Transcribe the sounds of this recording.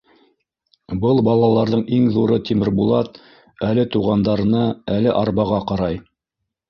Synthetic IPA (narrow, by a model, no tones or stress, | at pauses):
bɤlˠbɑlˠɑlˠɑɾðɤɴiŋðuɾɤt̪imɘɾbulˠɑt̪ | ælɘt̪uʁɑnd̪ɑɾɤ̆nɑælɘʔɑɾbɑʁɑqɑɾɑj